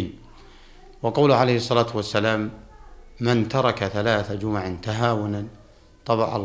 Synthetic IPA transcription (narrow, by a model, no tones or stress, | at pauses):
n | wɑqɑwlʊʕalejhɨsˤːɑlaːt̪wasːalaːmː | ɪnt̪ɑɾˤɑkaθalaːθad͡ʒʊmʕɪnt̪aɦaːwʊnan | t̪ˤɑbɑʕɑ̰